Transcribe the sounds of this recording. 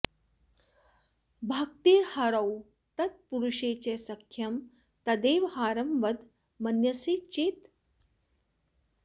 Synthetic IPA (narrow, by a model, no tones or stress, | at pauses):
bʱaːk̚t̪iːɾhɐɾɐw | t̪ɐt̪̚puɾuʃeːt͡ɕeːsɐkʰjɐm | t̪ɐd̪eːʋhaːɾɐmʋɐd̪ | mɐnjɐseːt͡ʃeːt̪